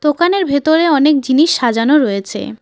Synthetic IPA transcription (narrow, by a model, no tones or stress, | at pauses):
t̪okaneɾbʱet̪oɾeɔnek̚d͡ʑiniʃːad͡ʑanoɾɔjet͡ɕʰḛ